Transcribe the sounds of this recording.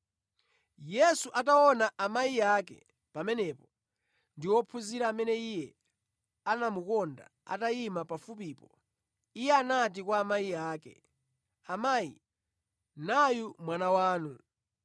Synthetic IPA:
jɛsuʔataɔnaʔamaiakɛ̰ | pamɛnɛpɔ | ndiwɔpʰuziɾaːmɛnɛijɛ | anamukɔnda̰a̰taimapafup̬iːpɔ | ijɛanat̬ikwaːmaijaːkɛ̰ | amajḭ | najumwanawaːnu

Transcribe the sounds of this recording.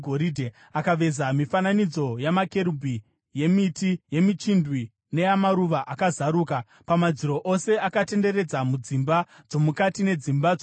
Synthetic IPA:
ɡʱoɾidʱe | akaʋe̞zamifananid͡zo̞jamake̞ɾubʱi | je̞mitije̞mit͡ʃindwi | ne̞jamaɾuʋaʔakazaɾuːka | pamad͡ziɾo̞ʔo̞se̞ʔakate̞nde̞re̞d͡zamud͡zimba | d͡zo̞mukatine̞d͡zimba

